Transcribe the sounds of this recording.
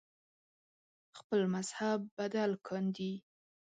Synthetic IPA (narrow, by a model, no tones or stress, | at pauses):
xpəlmazhabːad̪alkʰɑnd̪i